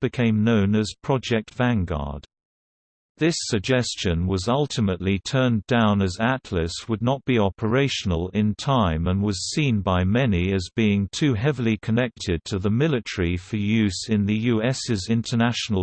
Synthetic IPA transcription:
b̥ɨkʰẽɪ̃mnõʊ̃nɨz̥pʰɹ̥ɑd͡ʒɛk̚tv̥æ̃nɡɑ̰ɹd̪̥̚ | ðɪsɨɡ̚d͡ʒɛst͡ʃɨ̃nwʌzʌlˠtʰɨməʔˡlitʰɜ̃˞ndãʊ̃nɨzætʰlɨswədⁿnət̚b̥iɑpʰə˞eɪʃən̩əlˠɪ̃ntʰãɪ̃mə̃nwʌz̥sĩnbaɪmɛniɨzbiɪ̃ŋtʰʉɦɛvəl̩ˠikʰənɛk̚tʰɨd̚tʰɨðəmɪlˠɨtə˞ifə˞jʉzɪ̃nðɨjʉɛsɪzɪ̃ntʰənæʃnl̩ˠ

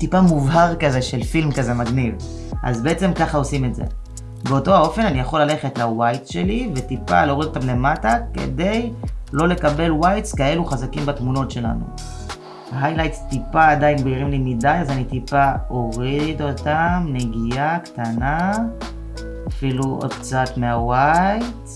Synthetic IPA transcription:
tipamuvhaʁkazeʃelfilmkaze̞maɡniv | ʔa̰zbeet͡se̞mkaχao̞sime̞tzḛ | be̞o̞to̞ao̞fe̞nanijaχo̞lːale̞χe̞tlawajtʃe̞live̞tipa̰leo̞ʁido̞tamle̞matake̞̰de̞jlo̞le̞kabe̞lwajtskae̞luχazakimbatmuno̞tʃe̞la̰nṵ | haɦajlajtst̪ipaːdainbiʁimlimidajazanit̪ipao̞ʁid̪o̞tamne̞ɡijaktana | afiluo̰d̪kt͡satmeawajt

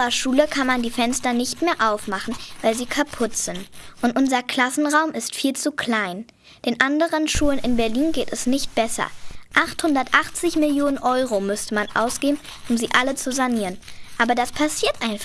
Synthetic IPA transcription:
ɐʃuːləkʰanmandiːfɛnstɐnɪçtmeːɐʔaʊfmaχn̩vaɪlziːkʰapʰʊtz̥ɪntʔʊntʔʊnzɐkʰl̥asn̩ʁaʊmʔɪstfiːlt͡sukʰl̥aɪn | d̥eːnʔandəʁənʃuːənɪnbɛɐliːnɡeːtɛsnɪçt̚b̥ɛsɐ̰ʔaχthʊndɐtʔaχt͡sɪçmɪljoːnənʔɔʏʁomʏstəmanʔa̰ʊsɡ̥eːbm̩ʔʊmziːʔalət͡suzaniːʁənʔaːbɐdaspʰasiːɐtʔaɪnf

